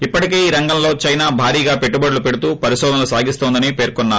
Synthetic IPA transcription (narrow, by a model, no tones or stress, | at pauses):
ipːɐʈikeːiːɾɐŋɡɐmlo̞ːt͡ʃɐjnaːbʱaːɾiːɡaːpe̞ʈːubɐɽlupeɽut̪uːpɐɾisɔːd̪ɐnɐlusaːɡist̪ond̪ɐnipe̞ːɾkɔnːaː